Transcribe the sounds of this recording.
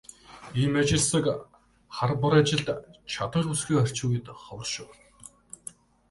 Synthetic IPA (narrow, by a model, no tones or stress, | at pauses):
imat͡ɕɪ̆ɮsə̆k | χarpʊɾat͡ɕɪ̆ɮt̪t͡ɕʰat̪ə̆rusɡiːŋœr̥ʲt͡ɕuːɣiːt̪χɔwrʃʊ̆w